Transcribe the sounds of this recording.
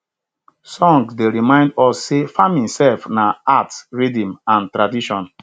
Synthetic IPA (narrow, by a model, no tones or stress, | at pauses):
sɔ̃ŋɡsdeɹimãɪ̃ndɔsːefãmĩnsɛlfnaatsɹidĩmãntɾadiʃɔ̃n